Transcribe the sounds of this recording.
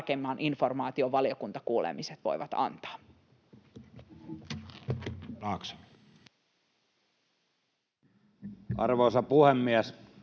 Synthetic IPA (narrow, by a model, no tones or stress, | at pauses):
kemːɑːnʔinfo̞rmɑːt̪io̞ʋɑlio̞kunt̪ɑkuːlḛmiset̪ʋo̞̰jʋɑt̪ɑ̰nt̪ɑ̥ː | ɑːkse̥ | ɑ̰rʋoːˑsɑpuhemːiæs